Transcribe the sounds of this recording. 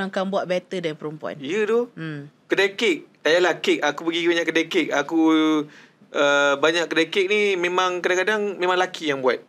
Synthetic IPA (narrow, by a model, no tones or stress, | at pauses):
aŋkaŋbuaʔ̚bɛt̪ədanpəɾumpua̰nijədokədakek̚tajalakekakupəɡikibaɲaʔkːədakek̚aku | ʔəbaɲakkːədakɪk̚nimẽmãŋkadaŋkadaŋmẽmãŋlakijaŋbua̰t̪̚